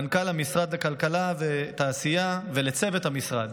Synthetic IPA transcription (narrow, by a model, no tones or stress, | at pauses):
nkalamisʁad̪lekalkalavet̪aːsijavelet͡se̞vet̪hamisʁad̪